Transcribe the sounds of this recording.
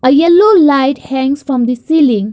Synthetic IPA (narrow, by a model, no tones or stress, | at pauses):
əjɛlolaɪʈhɛ̃ŋsfɾɔ̃md̪isiːlĩŋ